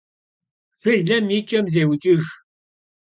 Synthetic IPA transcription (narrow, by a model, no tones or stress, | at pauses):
fɨɮɐmjɪt͡ʃʼːɐmzewt͡ʃʼɪx